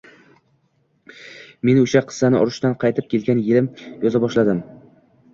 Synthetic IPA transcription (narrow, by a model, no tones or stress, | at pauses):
me̞nʊʃaqʰɨ̥sːanɪʔɒɾʊʃt̪anqʰɑjt̪ʰɪp̚kʲʰe̞lɡʲanjɪlɪmjɒzabɒʃlad̪ɪm